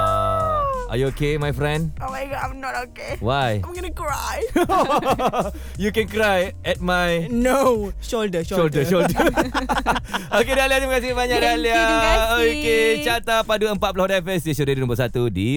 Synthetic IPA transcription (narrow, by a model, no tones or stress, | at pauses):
ʔa̰juokemajfɾɛ̃ndamaɡãmnɔt̚okewajãmɡɔnukɹaj | jukɛ̃nkɾajɛt̚majnoʃoldəʃʃoldəʃoldə | okedaliat̪iməkasimaɲadaliaoket͡ʃat̪apaduəmpat̪̚pulahdɛfəsdəʃudədinõmbəsat̪udi